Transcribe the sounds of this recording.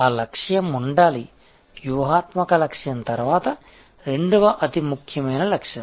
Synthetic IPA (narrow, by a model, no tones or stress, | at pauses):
aːlɐkʂjɐmuɳɖaːli | ʋjuʋɐɦaːt̪mɐkɐlɐkʂjɐnt̪ɐɾʋaːt̪ɐ | ɾeɳɖuʋɐʔɐt̪imukʰjɐmɐjnɐlɐkʂjɐ